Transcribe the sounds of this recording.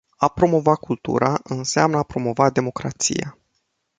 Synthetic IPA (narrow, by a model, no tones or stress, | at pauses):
apɾo̞mo̞vakult̪ṵɾaʔɨnseamnəapɾo̞mo̞vad̪e̞mo̞kɾa̰t̪sḭja